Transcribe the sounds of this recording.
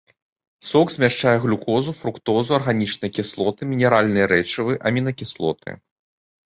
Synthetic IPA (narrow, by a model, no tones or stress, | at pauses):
sɔkzʲmʲaʂt͡ʂajɛɣlʲukɔzufɾukt̪ɔzuɐrɣanʲit͡ʂnɨjɐkʲislˠɔt̪ɨmʲinʲɛɾalʲnɨjɐɾɛt͡ʂɨvɨʔɐmʲinɐkʲislˠɔ̰t̪ʰɨ̰